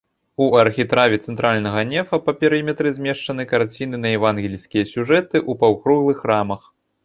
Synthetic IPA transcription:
uɐrxʲit̪ɾavʲɛt̪sɛnt̪ɾalʲnɐɣɐnʲɛfɐpɐpʲɛɾɨmʲɛt̪ɾɨzʲmʲɛʂt͡ʂɐn̪ɨkart͡sʲinɨnɐjɛvanɣʲilʲsʲkʲijɐsʲuʐɛt̪ɨʔupɐwkɾuɣlˠɨxramɐx

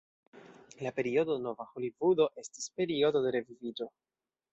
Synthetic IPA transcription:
lape̞ɾio̞d̪ono̞vaxo̞livud̪o̞ʔe̞sti̥spe̞ɾio̞d̪o̞d̪e̞ɾe̞vivid͡ʒo̞

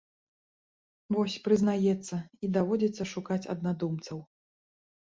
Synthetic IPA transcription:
vɔsʲpɾɨznajɛt̪sːɐid̪avɔd͡zʲɛt̪sːɐʂukat͡sʲɐ̰d̪nad̪umt̪sɐw

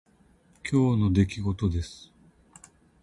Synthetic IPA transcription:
kʲo̞ːno̞d̪e̞kʲiɡo̞t̪o̞d̪e̞sɨ̥

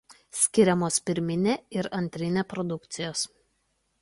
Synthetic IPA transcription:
sʲkʲɪɾʲɛmoːspʲɪɾʲmʲɪnʲeːɪɾɐnʲt̪ʲɾʲɪnʲeːpɾɔd̪ʊkt̪sʲɪjoːs

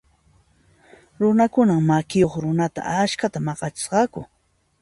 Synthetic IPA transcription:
ɾʊnakʊnammakɪjoχɾʊnat̪a̰aʃkat̪amɑɢɑt͡ʃɪ̥sɢɑkʊ̰

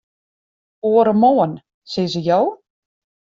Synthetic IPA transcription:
oːəɾəmoːən | sɪzəjow

